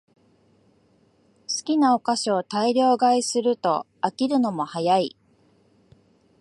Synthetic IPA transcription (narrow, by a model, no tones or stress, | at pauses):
sɨ̥kʲinao̞kaɕoːt̪aiɾʲo̞ːɡaisɨɾɯ̟t̪o̞̰ | akʲiɾɯ̟no̞mo̞hajai